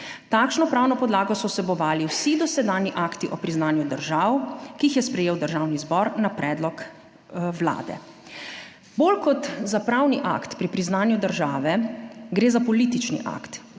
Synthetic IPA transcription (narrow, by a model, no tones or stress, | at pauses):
t̪aːkʃnɔpɾaːwnɔpɔd̪laːɡɔsɔsɛbɔʋaːliwsid̪ɔsɛd̪aːnjiʔaːkt̪iʔɔpɾiznaːnjud̪əɾʒaːwkiːxjɛspɾɛjeːwd̪əɾʒaːwnizbɔɾnapɾɛːd̪lɔk | wla̰ːd̪ɛ̰ | bolkɔt̪zapɾaːwniʔa̰kt̪pɾipɾiznaːnjud̪əɾʒaːʋɛɡɾeːzapɔliːt̪it͡ʃnḭʔa̰kt̪